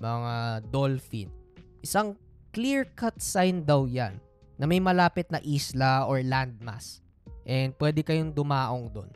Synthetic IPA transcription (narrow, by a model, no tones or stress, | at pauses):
mɐŋad̪olfḭnʔɪsaŋ | kliɹkɐt̪̚sajnd̪ɐwjanː | ɐmɐjmɐlaːpɪt̪̚nɐʔiːslɐʔoɹland̪̚ma̰s | ʔɛnd̪̚pwɛːd̪ɛkɐjoŋd̪ʊmaːʔoŋd̪o̰n